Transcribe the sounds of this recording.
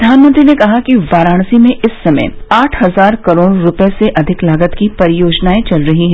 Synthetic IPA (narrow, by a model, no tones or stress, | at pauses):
d̪ʱaːnmə̃nt̪ɾinekɐɦakiʋaːɾaːɽ̃simẽʔɪsːɐmə̰jaːʈʰɦɐzaːɾkɐɾoːɽɾʊpeseʔɐd̪ʱɪklaːɡət̪kipɐɾɪjoːd͡ʒnaːet͡ʃɐlɾɐɦiɦɛ̃